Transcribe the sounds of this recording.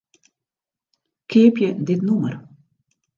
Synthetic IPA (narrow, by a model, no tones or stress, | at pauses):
kʰɪəpjədɪtnumər